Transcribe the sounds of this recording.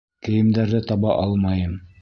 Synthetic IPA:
kɘ̆jɘ̆md̪æɾðɘt̪ɑβɑʔɑlˠmɑjɤm

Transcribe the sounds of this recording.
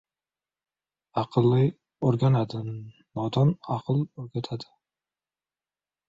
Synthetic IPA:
ɑqʰɨlːɪ | oɾɡʲanad̪ɪ | nɒd̪ɒnɑqʰɨlˠɵɾɡʲat̪ʰad̪ɪ̥

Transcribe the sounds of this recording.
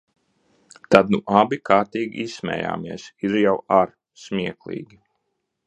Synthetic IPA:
t̪ad̪nuʔabikaːɾt̪iːɡʲḭʔissmʲɛ̰ːja̰ːmiɛsiɾjawaɾ | smiɛklˠḭːɡʲi

